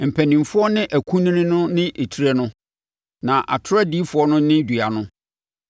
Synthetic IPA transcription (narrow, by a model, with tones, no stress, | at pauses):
m̩˨pʰæ˨nĩ˨mfʊ˦ɔ˦nɪ̃˦ʔæ˨kʰũ˦nĩ˦nɪ̃˦nʊ̃˦nɪ̃˦ʔe˨tʰi˨ɾɛ˦nʊ̃˦ | nã˨ʔa˨tʰʊ˦ɾɛ˦di˦fʊ˨ɔ˦nʊ̃˦nɪ̃˦du˨a˨nʊ̃˦